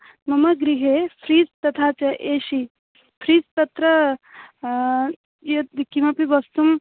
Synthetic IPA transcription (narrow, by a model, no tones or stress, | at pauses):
mɐmɐɡɾiɦepʰɾiːd͡zt̪ɐt̪ʰaːt͡ʃɐʔeːʃi | pʰɾiːt͡st̪ɐt̪ɾɐ | jɐkimɐpibɐst̪um